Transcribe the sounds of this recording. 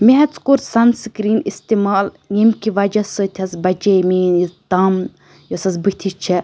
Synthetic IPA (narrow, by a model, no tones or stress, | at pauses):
meɦɐt͡skuɾsɐnskɾiːnist̪imaːl | jimkiʋɐd͡ʒɐsɨt̪ʲʰɐsbɐd͡ʒemiːnjizt̪ɐm | josɐsbɨt̪ʲʰit͡ʃʰi